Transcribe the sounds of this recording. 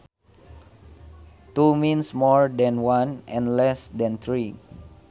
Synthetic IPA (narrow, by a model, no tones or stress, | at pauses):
t̪umĩnsmɔɹdɛ̃nwãnɛ̃nlɛsdɛ̃nt̪ɹi